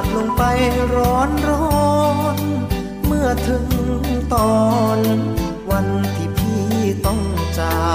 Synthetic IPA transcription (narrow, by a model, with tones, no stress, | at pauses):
lo˧ŋpa˧jɾɔː˦˥nɾɔ˧n | mɯ˥˩ɐt̪ʰɯ˨˦ŋt̪ɔː˧n | wa˧nt̪ʰiː˧˩pʰiː˥˧˩t̪ɔ˥˩ŋt͡ɕa˧˩